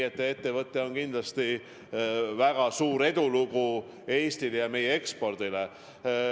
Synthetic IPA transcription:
et̪ːˑee̞t̪ːevɤt̪ːˑeo̞nkind̪̥lɑst̪i | væɡ̥ɑsuːɾe̞d̪̥uluɡu | e̞ːst̪ilejɑme̞jee̞kspo̞rd̪̥ile

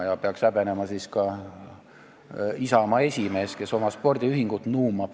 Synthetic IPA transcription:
jɑpeɑksæb̥e̞nemɑsiskɑ | isɑmɑe̞sʲime̞ːske̞so̞mɑspo̞rd̪̥ʲiyɦiŋɡ̥ut̪nuːmɑ̥

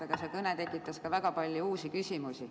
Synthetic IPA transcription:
ɑɡ̥ɑsekɤnet̪e̞kːˑit̪ːˑɑskɑvæɡ̥ɑpɑlʲːjuuːsikysʲimusi

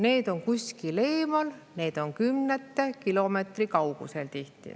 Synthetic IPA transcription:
ne̞ːd̪̥o̞nkusʲkile̞ːmɑlne̞ːd̪̥o̞nkymnet̪ːekilo̞met̪rikɑwɡ̥ṵselt̪iht̪ḭ

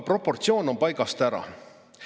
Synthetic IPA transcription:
pro̞po̞rt̪sio̞ːno̞mpɑjɡɑst̪æɾɑ̰

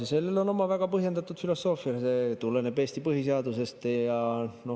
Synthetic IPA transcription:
sese̞lːelo̞no̞mɑvæɡ̥ɑpɤɦje̞nd̪ɑt̪ːˑud̪filo̞sːo̞ːfiɑset̪ulːenebe̞ːst̪ipɤɦiseɑd̪use̞st̪jɑno̞

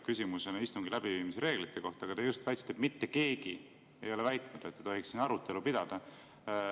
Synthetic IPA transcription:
kysʲimuse̞nɑist̪umɡ̥ilæb̥iviːmiseɾe̞ːɡlit̪ːe̞ko̞ht̪ˑɑɡɑt̪ejust̪væjt̪si̥t̪ːˑep̪mit̪ːeke̞ːɡ̥i | e̞̰jo̞levæjt̪ˑnud̪̥et̪ːet̪o̞ɦiksinɑɾut̪ˑːe̞lupid̪̥ɑd̪̥ɑ

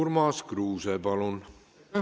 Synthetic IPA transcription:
uɾmɑskruːsepɑlun

